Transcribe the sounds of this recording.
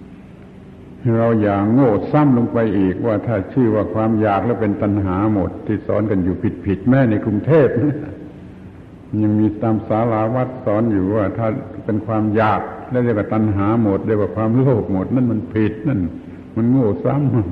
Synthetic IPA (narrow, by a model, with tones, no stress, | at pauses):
ɾa˧wjaː˨˩k̚ŋoː˧˩sa˥˨mloː˧ŋpa˧jʔiː˨˩k̚waː˧˩t̪ʰaː˧˩t͡ɕʰɯː˧˩waː˧˩kʰwaː˧mjaː˨˩k̚lɛː˦˧˥pe˧nt̪a˧nɦaː˩˦mo˨˩t̪ʰːiː˧˩sɔ̰ː˨˦nka˧njuː˨˩pʰi˨˩t̪̚pʰi˨˩t̪̚mɛː˧˥˨na˧jkʰɾu˧ŋt̪ʰeː˥˩p̚na˥˩˨ | ɲa˧ŋmiː˧t̪aː˧msaː˨˦˥laː˨˧˦wa˦˥˩t̪̚sɔː˨˦˥njuː˨˩waː˧˩t̪ʰaː˧˥˩pe˧nkʰwaː˧mjaː˨˩k̚lɛː˧˥˩i˧˨wa˧˩t̪a˧nɦaː˩˦mo˨˩t̪̚de˧˨waː˧˩kʰwaː˧mloː˧˩p̚mo˨˩t̪̚na˧˥˨nma˧˥npʰi˨˩t̪̚na˧˥˨n | ma˧˥˨nŋoː˧˩sa˧˥˨m˧